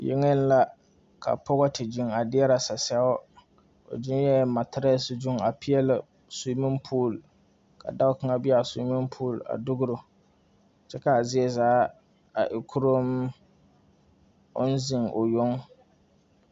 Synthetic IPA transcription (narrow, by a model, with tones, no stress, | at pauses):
jɪ̰˦ŋɛ˦n˦la˦ | ka̰˨pɔ˦ɣɔ˦tɪ˨d͡ʒi˦ŋa˨dɪ˦ɛ˦ɾa˨sa˨sɛ˦ʊ˦ | o̰˨d͡ʒɪ˦jɛ˦ma˨tɪ˦ɾɛ˦sɪ˦d͡ʒʊ˦ŋa˨pɪ˦jɛ˦lɪ˦˨ | su˨˦mɪ˦mpʰuː˦˨l | ka̰˨da˦ʊ˦kɨ˦ŋa˦bɪ˦a˨su˨˦mɪ˦mpʰuː˦˨la̰˨dʊ˦ɡʊ˦ɾʊ˨ | t͡ʃɛ˦ka˨zɪ˦ɛ˦zaː˦ | a˨ʔɪ˨kʰʊ˦ɾʊ˦m | ʊ̰˦n˦zɪ˨ŋʔo˨jʊ˦ŋ